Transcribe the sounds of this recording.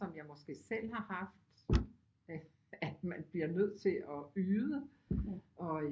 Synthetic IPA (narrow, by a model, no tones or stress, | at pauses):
ɒ̽mjɑ̈ɪmɒ̽sɡ̥e̝̰ːsel̰ɦɑ̈hɑ̈fd̥ | æd̥mænb̥liɐnøð̞̰ˠt͡sʰe̝ɒ̽yːðˠə | ʔɒ̽